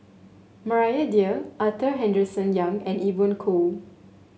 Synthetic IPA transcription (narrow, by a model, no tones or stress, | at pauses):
məɹajədiəʔat̪əɦɛ̃ndɹəsə̃njãŋɛ̃nivɔ̃nkʰol